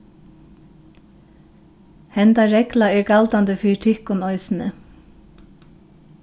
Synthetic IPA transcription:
hɛnd̪ɑɹɛklɑiːɹɡɑld̪ɑnd̪əfyːʈʰɪkʊnɔʏsn̩ə

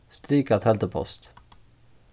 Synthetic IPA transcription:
st̪ɾiːkat̪hɛlt̪əpʰɔ̰st̪

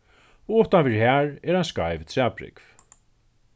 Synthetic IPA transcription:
ɔʊht̪anfɪɾhæɹɛɾhanskajvt̪sapɾɪ̰kv̥

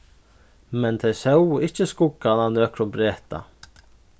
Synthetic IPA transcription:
mɛnt̪ʰejsœwɪhcəskʊkːananœːkɾʊmbɾɛːht̪a̰

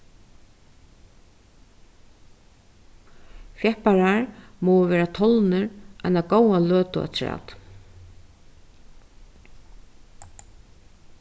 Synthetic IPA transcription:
fjɛhpaɾaɹmɔwəʋɛːɾat̪ʰɔlnɪɹʔa̰jnakowalœːt̪ʊa̰t̪ʰɾa̰ːt̪

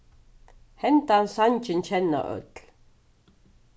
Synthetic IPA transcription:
hɛnt̪ansanʲt͡ʃint͡ɕʰɛnːa̰ʔœ̰t̪l

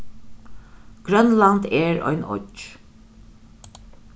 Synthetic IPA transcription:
ɡ̥ɹœnlɑnd̪eːɹɔ̰ʏnɔ̰d͡ʒ

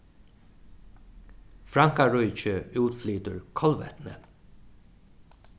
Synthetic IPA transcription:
fɹɑŋkaɹœʏt͡ʃəʉːt̪flyːt̪əɹkʰɔlʋɛ̰t̪nə̰

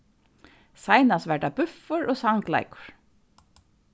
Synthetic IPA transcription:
sajnast̪ʋɛʈabʉfʊɹʔɔːsaŋkla̰jkʊ̥ɹ̥

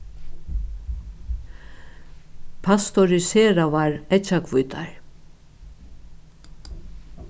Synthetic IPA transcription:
pʰast̪ɔɾɪseːɾavaɹɛt͡ʃakʰvujt̪a̰ɹ

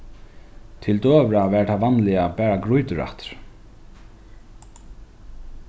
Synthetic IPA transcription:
t̪ʰɪlt̪øːvɾavɛːɹt̪ʰaʋanlɪabɛːɹaɡɾujt̪ʏɾa̰ht̪ɾ̥

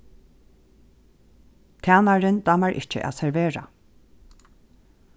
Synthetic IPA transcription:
k̪ʰaːnaɹɪnd̪amaɹʔɪ̰ht͡ʃə̰ʔæ̰ːsɛɹʋeːɹa̰

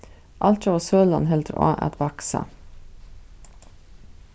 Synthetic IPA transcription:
ʔɑlt̪ɑʋɑːsøːlɑnɦɛld̪ɾɑ̰ːʔæ̰t̪ʋɑksɑ̰

